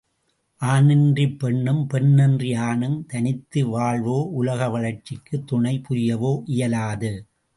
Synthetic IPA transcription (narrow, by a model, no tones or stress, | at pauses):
ʔaːnɪndripːɛɳːɯmpɛɳːɛndrɪjaːnɯmt̪ɐnɪt̪ːɯʋaːɭʋoːʔʊlɐɣɐʋɐɭɐɾt͡ʃɪkːɯt̪ːʊɳɐɪpʊɾɪjɐʋoːʔɪjɐlaːðɯ